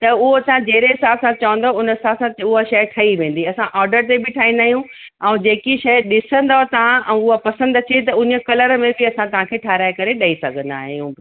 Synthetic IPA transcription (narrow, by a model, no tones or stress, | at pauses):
t̪ɐʊɦoɐsãd͡ʑeɦɾeɦɪsaːbsãt͡ɕɐʋə̃n̆d̪oʊnɪsaːbsãʊɦaʃɐjʈʰɐiʋẽːn̆d̪iɐsãʔɔːɾɖəɾt̪ebɪʈʰaːĩːnd̪aːɦijũ | ɛ̃ːd͡ʑeːkiʃɐɗɪsə̃nd̪aɦt̪ɐʋ̤ãʔɛ̃ʊɦapɐsə̃nd̪ɐt͡ɕet̪̬ɐʊɲə̆kɐləɾəmẽbɪɐsãt̪ɐʋ̤ãkʰeːʈʰaːɾaːekɐɾeɗɐisɐɡʱə̃nd̪a̰ːɦijṵ̃